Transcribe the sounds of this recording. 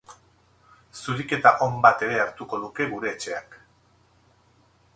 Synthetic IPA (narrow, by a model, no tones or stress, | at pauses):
suɾike̞t̪aʔo̞mbat̪e̞ɾe̞aɾt̪uko̞ðuke̞ɣuɾe̞ːt͡ʃe̞ak